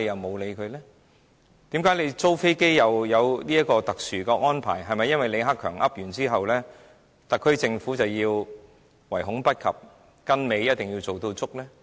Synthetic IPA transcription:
e˧jɐ˨wmo˨˧wle˨˧jkʰɵ˨˧lɛː˥ | t̪iː˨˥mkaː˨˥jle˨˧jt͡so˥wfe˥jke˥jjɐ˨wjɐ˨˧wliː˥jɐ˥t̚kːɔː˧t̪ɐ˨k̚syː˨˩kɛː˧ŋɔː˥npʰa̰ː˨˩jɦɐ˨jmɐ˨jːɐ˥nwɐ˨jle˨˧ɦa˥kʰːœ̰ː˨˩ŋʔɐ˥p̚jyː˨˩nt͡siː˥ɦɐ˨wlɛː˥ | t̪ɐ˨kʰːɵ˥ɥt͡sɪ˧ŋfuː˨˥t͡sɐ˨wjiː˧w | wɐ˨˩jɦʊ˨˥ŋpɐ˥t̚kʰɐ̰˨p̚ | kɐ˥nme˨˧jjɐ˥t̚t̪ɪ˨ŋji˧wt͡so˨wt̪o˧wt͡sʊ˥k̚lɛː˥

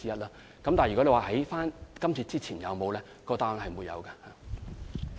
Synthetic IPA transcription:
t͡siː˥ɐ˥t̚laː˥ | kɐ˨mt̪aː˨˩jy˨kɔ˨˥e˨˧waː˨hɐ˨˥jfaː˥nkɐ˥mt͡sʰiː˧t͡siː˥t͡sʰiː˨˩njɐ˨˧wmo˨˧wlɛː˥ | kɔː˧t̪aː˥ŋhɐ˨jmuː˨˧jɐ̰˨˧wkɐ˧ha˨

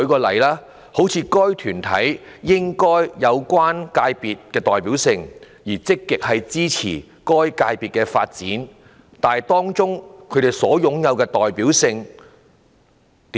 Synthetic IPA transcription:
kkɔː˧lɐ˨˩jlaː˥ | ho˨˥wt͡sʰiː˨˧kɔː˥jt̪ʰyː˨˩nt̪ʰɐ˨˥jːɪ˥ŋkɔː˥jjɐ˨˧wkʷaː˥nkaː˧jpiː˨t̚kɛː˧t̪ɔː˨jpiː˨˥wsɪ˧ŋ | jiː˨˩t͡sɪ˥kːɪ˨k̚hɐ˨jt͡siː˥t͡sʰiː˨˩ | kɔː˥jkaː˧jpiː˨˩t̚kɛː˧fa̰ː˧t̚t͡siː˨˥n | t̪aː˨jt̪ɔː˥ŋt͡sʊ˥ŋkʰɵ˨˧t̪e˨jsɔ̰ː˨˥jʊ˨˥ŋjɐ˨˧wkɛː˧t̪ɔː˨jpiː˨˥wsɪ˧ŋ | t̪

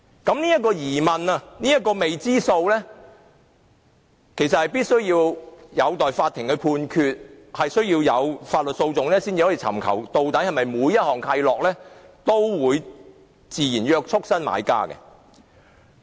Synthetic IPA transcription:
kɐ˨˥mniː˥jɐ˥t̚kːɔː˧jiː˨˩mɐ˨˩nɐ˧niː˥jɐ˥t̚kɔː˧me˨jt͡siː˥so˧wlɛː˥ | kʰe˨˩sɐ˨t̚hɐ˨jpiː˥t̚sɵ˥ɥjiː˧wjɐ˨˧wt̪ɔː˨jfaː˧t̪ʰːɪ˨˩ŋkɛ˧pʰuː˧nkʰyː˨˧t̚ | hɐ˨jsɵ˥ɥjiː˧wjɐ˨˧wfaː˧t̚lɵ˨t̚so˧wt͡sʊ˨ŋlɛː˥siː˥nt͡si˧hɔː˨˥ji˨˧t͡sʰɐ̰˨˩mkʰɐ̰˨˩wt̪o˨wt̪ɐ˨˥jhɐ˨jmɐ˨jmuː˨˧jːɐ˥t̚hɔː˨˩ŋk̪ʰɐ˧jlɔː˨k̚lɛː˥t̪o˥wwuː˨˧j | t͡siː˨jiː˨˩njœː˧k̚t͡ʃʰʊ˥k̚sɐ˥nma̰ː˨˥jka̰ː˥kɛ̰˧

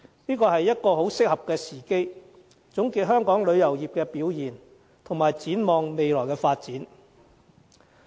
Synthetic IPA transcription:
niː˥kɔː˧hɐ˨jːɐ˥t̚kɔː˧ɦo˨˥wsɪ˥k̚hɐ˨p̚kɛː˧siː˨˩ke˥j | t͡sʊ˨˥ŋkiː˨t̚ɦœː˥ŋkɔː˨˥ŋlɵ˨˧ɥjɐ˨˩wjiː˨˩p̚kɛː˧piː˨˥wjiː˨˩n | t̪ʰʊ˨˩ŋmaː˨˩jt͡siː˨˥nmɔː˨ŋme˨jlɔː˨˩jkɛː˧faː˧t̚t͡siː˨˥n

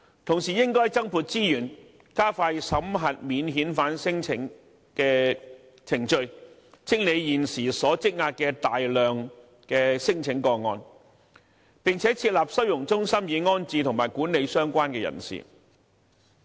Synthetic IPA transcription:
t̪ʰʊ˨˩ŋsiː˨jɪ˥ŋkɔː˥jt͡sɐ˥ŋpʰuː˧t̚t͡siː˥jyː˨˩n | kaː˥faː˧jsɐ˨˥mɦɐ˨t̚miː˨˧nɦiː˨˥nfaː˨˥nsɪ˥ŋt͡sʰɪ˨˧˥ŋ | kɛː˧ | t͡sʰɪ˨˩ŋt͡ʃɵ˧ɥt͡sɪ˥ŋ̚ne˨˧jjiː˨nsiː˨˩sɔː˨˥t͡sɪ˥k̚ŋaː˧t̚kɛː˧t̪aː˨jlœː˨ŋ | kɛː˧sɪ˥ŋt͡sʰɪ˨˥ŋkɔː˧ŋːɔː˧n | pɪ˨ŋt͡sʰɛː˨˥t͡sʰiː˧t̚laː˨p̚sɵ˥ɥjʊ˨˩ŋt͡sʊ˥ŋsɐ˥mjiː˨˧ŋɔː˥nt͡siː˧t̪ʰʊ˨˩ŋmaː˨˩jkuː˨˥nːe˨˧jsœː˥ŋkʷaː˥nkɛː˧jɐ̰˨˩nsḭː˨˩

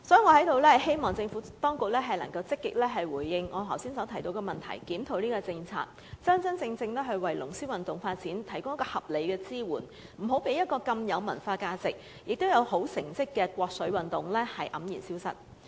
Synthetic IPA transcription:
sɔː˨˥i˨˩ŋɔː˨˧hɐ˨˥jt̪o˨˧wlɛː˥ɐ˨˩he˥jmɔː˨˩ŋt͡sɪ˧ŋfuː˨˥t̪ɔː˥ŋkʊ˨k̚lɛː˥ɦɐ˨jlɐ˨˩ŋkɐ˧wt͡sɪ˥kːɪ˨k̚lɛː˥ɦɐ˨jwuː˨˩jːɪ˨˧ŋŋɔː˨˧ɦɐ˨˩wsiː˥nsɐ˨˥tʰɐ˨˩jt̪o˧wkɛ˧mɐ˨˩nt̪ʰɐ̰˨˩jkiː˨˥mt̪ʰo˨˧wliː˥kɔ˧t͡sɪ˧ŋt͡sʰa̰ː˧k̚ | t͡sɐ˥nt͡sɐ˥nt͡sɪ˧ŋt͡sɪ˧ŋlɛː˥ɦɵ˧ɥwɐ˨jlʊ˨˩ŋsiː˥wɐ˨˩nt̪ʊ˨ŋfaː˧t̚t͡siː˨˥nt̪ʰɐ˨˩jkʊ˥ŋɐ˥kɔː˧hɐ˨p̚le˨˧jkɛː˧t͡siː˥wuː˨˩n | m̩˨˩ɦo˨˥wpe˨˥jɐ˥t̚kɔː˧kɐ˧mjɐ˨˧wmɐ̰˨˩nfaː˧kaː˧t͡sɪ˨k̚ | jʔɪ˨k̚t̪o˥wjɐ˨˧who˨˥wsɪ˨˩ŋt͡sɪ˥kːɛː˧kʷɔː˧k̚sɵ˨˥wɐ˨˩nt̪ʊ˨˩ŋlɛː˥hɐ˨jʔɐ˨˥mjiː˨˩nsiː˥wsɐ̰˥t̚

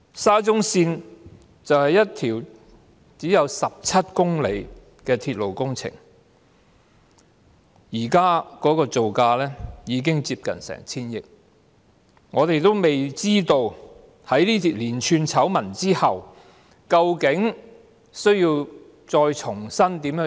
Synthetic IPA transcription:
saː˥t͡sʊ˥ŋsiː˧n | t͡sɐ˨whɐ˨jːɐ˥t̚t̪ʰiː˨˩w | t͡siː˨˥jɐ˨˧wsɐ˨p̚t͡sʰɐ˥t̚kʊ˥ŋle˨˧j | kɛː˧t̪ʰiː˧t̚lo˨wkʊ˥ŋt͡sʰɪ̰˨˩ŋ | jiː˨˩kaː˥kɔː˨˥kɔː˧t͡so˨wkaː˧lɛː˥jiː˨˧k̬ɪ˥ŋt͡siː˧p̚kɐ̰˨nsɛ̰ː˨˩ŋt͡sʰiː˥njɪ˨k̚ | ŋɔː˨˧t̪e˨jt̪o˥wme˨jt͡siː˥t̪o˧w | hɐ˨˥jliː˥t̪ʰiː˨t̚liː˨˩nt͡ʃʰyː˨˧nt͡sʰɐ˨˥wmɐ˨˩nt͡siː˥hɐ˨w | kɐ˧wkɪ˨˥ŋ | sɵ˥ɥji˧w | t͡sɔː˧jt͡ʃʰʊ˨˩ŋsɐ˥nt̪i˨˥mjœː˨˧˥

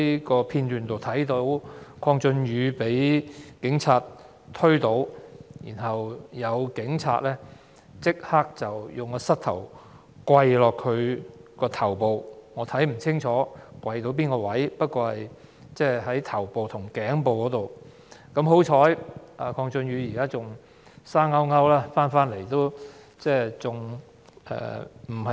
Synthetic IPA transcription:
kɔː˧pʰiː˧nt̪yː˨˩nt̪o˨wt̪ʰɐ˨˥jt̪o˨˧˥wkʰɔː˧ŋt͡sɵ˧nɥyː˨˧pe˨˥jkɪ˨˥ŋt͡sʰaː˧t | t̪ʰɵ˥ɥt̪o˨˥wjiː˨˩nɦɐ˨wjɐ˨˧wkɪ˨˥ŋt͡sʰa̰ː˧t̚lɛː˥ | t͡sɪ˥k̚haː˥k̚t͡sɐ˨wjʊ˨ŋkɔː˧sɐ˥t̚t̪ʰɐ̰˨˩w | kwɐ˧jlɔː˨kʰɵ˨˧ɥkɔː˧t̪ʰɐ˨˩wpo˨wŋɔː˨˧t̪ʰɐ˨˥jm̩˨˩t͡sʰɪ˥ŋt͡ʃʰɔː˨˥kwɐ˧jt̪o˧˥wp̬iː˥nkɔː˧wɐ˨˥jpɐ˥t̚kɔː˧hɐ˨j | t͡sɛː˥˩ɦɐ˨˥jt̪ʰɐ˨˩wpo˨wt̪ʰʊ˨˩ŋkɛː˨˥ŋpo˨wkɔː˨˥t̪o˨w | kɐ˨˧˥mɦo˨˥wt͡ʃʰɔː˨˥jʔaː˨kʰɔː˧ŋt͡sɵ˧nɥyː˨˧jiː˨˩kaː˥t͡sʊ˨ŋ | saː˥ŋɐ˥wŋɐ˥wlaː˥faː˥nfaː˥nle˨˩jt̪o˥w | t͡sɛː˥˩t͡sʊ˨ŋ | ɛ̰ː˧m̩˨˩ɐ˨

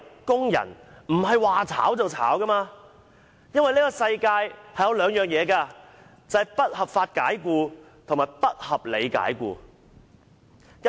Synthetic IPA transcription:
kʊ˥ŋjɐ̰˨˩nm̩˨˩hɐ˨jwaː˨t͡sʰa̰ː˨˥wt͡sɐ˨wt͡sʰa̰ː˨˥wkɐ˥maː˧ | jɐ˥nwɐ˨jliː˥kɔː˧sɐ˧jkaː˧jhɐ˨jɐ˧wlœː˨˧ŋjœː˨ŋjɛː˨˧kaː˧ | t͡sɐ˨˧hɐ˨jpɐ˥t̚hɐ˨pfaː˧t̚kaː˨˥jkuː˧ | t̪ʰŋmaː˨˩jpɐ˥t̚hɐ˨p̚le˨˧jka̰ː˨˥jkṵː˧

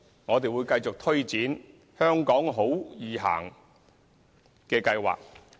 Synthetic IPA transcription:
ŋɔː˨˧t̪e˨jwuː˨˧jkɐ˧jt͡sʊ˨k̚t̪ʰɵ˥ɥt͡siː˨˥n | hœː˥ŋkɔː˨˥ŋɦo˨˥wjiː˨ɦa̰ː˨˩ŋ | kɛː˧kɐ˧jwa̰ː˨˩k̚

